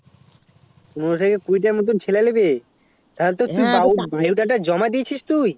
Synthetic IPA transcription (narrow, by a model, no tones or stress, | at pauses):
unot̪ʰekekujʈaɾmot̪̬ont͡ɕʰelalebe | t̪aɦolet̪ot̪ujbaubajuʈaʈ̬ad͡ʑɔmad̪iet͡ɕʰiʃt̪uj